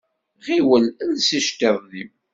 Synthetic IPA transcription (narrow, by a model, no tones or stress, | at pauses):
ʁiwəlnsiʃt̪eðˤðim